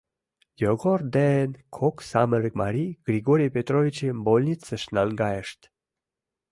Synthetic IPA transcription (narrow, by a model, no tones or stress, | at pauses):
jɔɡɔɾd̪ɛnkʰɔksaməɾəkmaɾiɡ̥ɾiɡoɾipet̪ɾovit͡ʃimbolʲnit͡səʃnalɡajeʃt̪